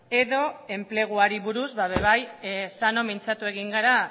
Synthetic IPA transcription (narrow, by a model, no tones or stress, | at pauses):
e̞ðo̞e̞mple̞ɣ̞uaɾiβuɾuzβaβe̞β̞ajsano̞mint͡sat̪ue̞ɣiŋɡaɾa